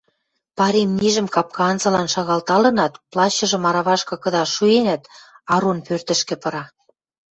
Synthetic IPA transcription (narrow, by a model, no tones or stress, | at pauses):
pɑɾʲemniʒə̆mkɑp̚kɑnzɤ̆lɑnʃɑɣɑlt̪ɑlɤ̆nɑt̪plɑɕːɤ̆ʒɤ̆mɑɾɑβɑʃkɤ̆kɤ̆d̪ɑʃuenæt̪ | ɑɾonpørt̪ə̆ʃkĕpɤ̆ɾɑ